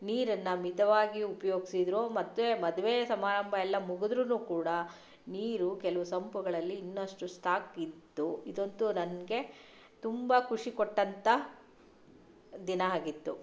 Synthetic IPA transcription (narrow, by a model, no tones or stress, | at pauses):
niːɾɐnːɐmit̪ɐʋaːɡiupɐjo̞ːɡisid̪ɾoːmɐt̪ːʋemɐd̪uʋesɐmaːɾɐmbʱɐɛlːɐmuɡud̪ɾunuːkuːɽɐ | niːɾukɛlɐʋusɐmpuɡɐɭɐlːiːnːɐʂʈusʈʰaːkid̪ːuid̪o̞nt̪unɐnɡe̞ | t̪umbɐkʰuʂikoʈːɐnt̪ɐ | d̪inɐaːɡit̪ːu